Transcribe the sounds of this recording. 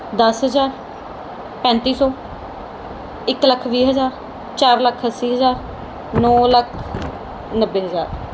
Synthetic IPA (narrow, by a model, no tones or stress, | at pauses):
d̪əsɦəzaːɾ | pɛ̃ːnt̪iːsɔː | ɪkləkʰʋiːɦəzaːɾ | t͡ʃaːɾləkʰəsːiːɦəzaːɾ | nɔːləkʰ | nəbːeːɦəzaːɾ